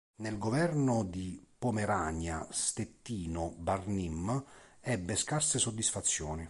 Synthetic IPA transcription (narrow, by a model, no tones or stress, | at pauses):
nelɡovɛrnʊd̪ipomeɾaːɲa̰st̪et̪ːiːnʊbarnimː | ɛbːeskarsɪsod̪ːisfat̪sːjɔːni